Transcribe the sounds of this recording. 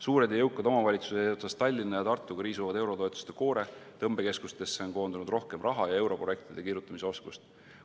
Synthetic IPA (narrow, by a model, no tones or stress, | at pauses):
suːɾe̞d̪jɑjɤwkːˑɑd̪o̞mɑvɑlʲit̪su̥set̪sɑst̪ːɑlʲːinːɑjɑt̪ɑrt̪ːˑuɡ̥ɑɾiːsuvɑd̪e̞wɾo̞t̪oet̪ːˑu̥st̪eko̞ːɾe̞t̪ɤmb̥e̞ke̞skust̪ːe̞sːe̞onko̞ːnd̪unud̪ro̞hke̞mrɑɦɑjɑe̞wɾo̞proek̚t̪id̪̥e̞kirjut̪ːˑɑmiseo̞skust̪